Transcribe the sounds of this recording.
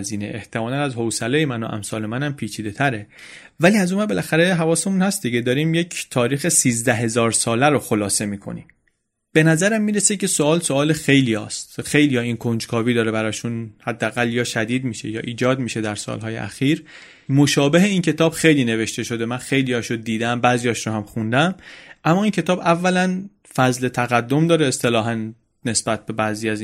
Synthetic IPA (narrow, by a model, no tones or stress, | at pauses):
ziːnḛʔeht̪ʰe̞mɒːlænæzɦowsælejemænoʔæ̰msɒːle̞mænæmpʰiːt͡ʃʰiːd̪e̞t̪ʰæɾe | væliːæzumæbe̞lʔæxæɾeɦævɒːsemunhæst̪̚d̪iɟed̪ɒːɾiːmjecʰt̪ʰɒːɾiːxe̞siːzd̪æɦe̞zɒːɾsɒːlæɾoxo̞lɒːse̞miːkʰo̰nḭːm | b̥e̞næzæɾæmːiːɾesecʰe̞soɒːlsoɒːlexe̞jlijɒːst̪xe̞jlijɒːiːnkʰond͡ʒkʰɒːviːd̪ɒːɾebæɾɒːʃunhæd̪ːeæɣælːjɒːʃæd̪iːd̪miʃe̞jɒːʔiːd͡ʒɒːd̪miʃe̞d̪æɾsɒ̰ːlɦɒːjeʔæ̰xiːɾ | mo̞ʃɒːbe̞ɦe̞iːncʰe̞t̪ʰɒːb̥xe̞jliːne̞ve̞ʃt̪e̞ʃo̞d̪e̞mænxe̞jlijɒːʃod̪iːd̪æmbæːzijɒːʃɾohæmxund̪æmʔæmːɒːincʰe̞t̪ɒːbævːælæn | fæzle̞t̪ʰæɣæd̪ːo̞md̪ɒːɾeest̪e̞lɒːɦæn | ne̞sb̥æt̪̚ʰbe̞bæːziːæz